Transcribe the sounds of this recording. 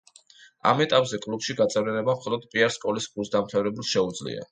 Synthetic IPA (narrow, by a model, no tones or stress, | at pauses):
a̰mɛt̪ʼapʼzɛkʼlupʃiɡat̪sʼɛvlianɛbamχɔlˠɔd̪̚pʼiaɾskʼɔliskʼlusd̪amt̪ʰavɾɛbulˠʃɛud̪zlḭa̰